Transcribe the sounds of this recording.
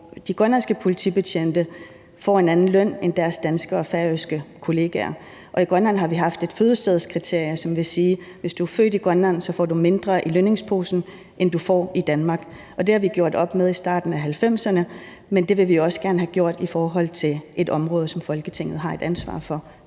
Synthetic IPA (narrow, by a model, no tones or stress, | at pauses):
d̥iɡ̥ʁɶnænsɡ̥əpʰo̝lit͡sʰḭb̥e̝t͡ɕʰen̰d̥ə | fɒ̰ːe̝nænn̩lœn̰end̥æɐsd̥ænsɡ̥əɒ̽fæøsɡ̥əkʰo̝le̝ːɡ̥æ̰ɐ̰ | ʔɒ̽iɡ̥ʁɶnlæn̰ɦɑ̈ʋiɦɑ̈fd̥e̝d̥føːðˠəsd̥ɛðˠskʰʁit͡sʰe̝ɐ̰jəsɒ̽mʋe̝siː | ʋe̝sd̥uæɐfø̰ːdiɡ̥ʁɶnlæn̰sɒ̽fɒ̰ːd̥ume̝nd̥ʁɐʔiløne̝ŋspʰo̝̰ːsn̩ | ʔend̥ufɒ̰ːid̥ænmɑ̈ːɡ̥ | ɒ̽d̥e̝hɑ̈ʋiɡ̥jo̝ɐ̰d̥ɒ̽b̥með̞ˠisd̥ɑ̰̈ːd̥n̩æɦælfem̰sɐnə | mend̥e̝ʋe̝ʋijoɒ̽sə̥ɡ̥æɐnəɦæɡ̥jo̝ɐ̰d̥ifɒːɦɒ̽l̰t͡sʰe̝lʔe̝d̥ɒ̽mʁɔ̽ːð̞ˠsɒ̽mfɒ̽lɡ̥ət͡sʰe̝ŋ̰ð̞̩ˠɦɑ̈e̝d̥ænsʋɑ̰̈ːfɒ̽